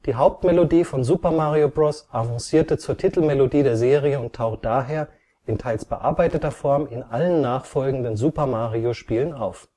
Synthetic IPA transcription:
d̥iːɦaʊp̚tmɛlodiːfɔnzuːpɐmaːʁiobʁɔsʔavɔ̃nsiːɐtət͡suːɐtʰitl̩mɛlodiːdeːɐzeːʁ̞iəʊntʰaʊxt̚d̥aːɦeːɐ | ɪntʰaɪlsb̥əʔa̰ɐbaɪtətɐfɔɐmɪnʔalənːaːχfɔlɡŋ̩dənzuːpɐmaːʁioʃpiːlənaʊf

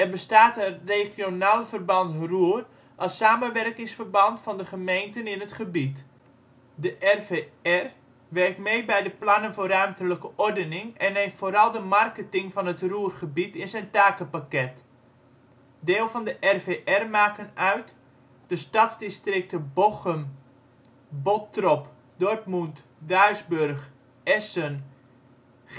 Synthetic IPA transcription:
ɛrbəstaːtəreχjonaːləfərbɑntruər | ʔɑlˠsaːmənʋɛrkɪŋsfərbɑntfɑndəχəmejntənɪnətχəbit | dəʔɛrveɛr | ʋɛrk̚tmejbɛjdəplɑnənvoːrœɥmtələkəʔɔrdənɪŋɛnɦeːftfoːɾɑlˠdəmarkətɪŋfɑnətruːərχəbitɪnzɛjntaːkəpakɛt | deːlˠvɑndəʔɛrveːʔɛrmaːkənœɥt | d̥əstatzdɪstrɪk̚təboxəm | botrɔp | dɔrtmunt | dœɥzbørχ | ɛsən

